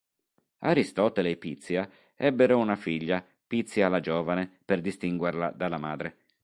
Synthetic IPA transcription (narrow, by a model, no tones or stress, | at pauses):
aɾist̪ɔt̪elepit̪sːja | ɛbːeɾounafiʎːa | pit̪sːjaːlad͡ʒɔːvaneperd̪ist̪iŋɡwerlad̪alːamaːd̪ɾe